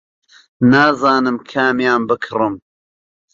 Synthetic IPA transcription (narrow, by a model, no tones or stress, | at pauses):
naːzaːnɨmkʰaːmjaːnbɨkʰrɨm